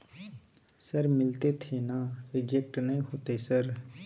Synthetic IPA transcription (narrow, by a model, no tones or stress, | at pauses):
səɾmɪlt̪eːt̪ʰeːnaːɾɪd͡ʒek̚ʈnəĩːɦoːt̪eːsəɾ